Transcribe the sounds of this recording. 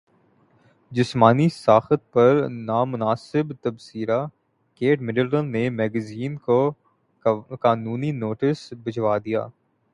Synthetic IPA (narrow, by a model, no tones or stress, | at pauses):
d͡ʒɪsmaːnisaːxət̪̚pɐɾnaːmʊnaːsɪbt̪ɐbsiːɾa | keːʈmɪɖəlʈə̃nːemɛːɡəziːnko | kaːnuːninoːʈɪsbɐd͡ʒwaːd̪ija̰ː